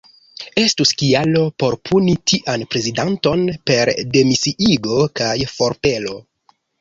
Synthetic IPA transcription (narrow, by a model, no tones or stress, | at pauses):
e̞stuskialo̞po̞ɾpʰunitʰiʔanpɾe̞zidanto̞npe̞ɾde̞misiʔiɡo̞kajfo̞ɾpe̞lo̞